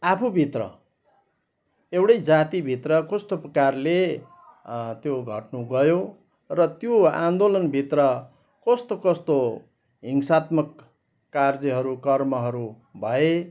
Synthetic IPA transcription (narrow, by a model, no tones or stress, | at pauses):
apʰubʱit̪rʌ̰ | ewɽʌjd͡zat̪ibʱit̪rʌkʌst̪oprʌkarle | t̪joɡʱʌ̰ʈnuɡʌjo | rʌt̪joã̰nd̪olʌnbʱit̪rʌ | kʌst̪okʌst̪o | ɦiŋsat̪mʌkː | ard͡zʌɦʌɾukʌrmʌɦʌɾu | bʱʌe